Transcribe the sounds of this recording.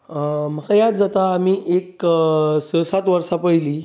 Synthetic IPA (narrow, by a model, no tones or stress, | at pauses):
m̤əkajad̪d͡zat̪aːm̤iːʔek | səsat̪ʋəɾsapəjliː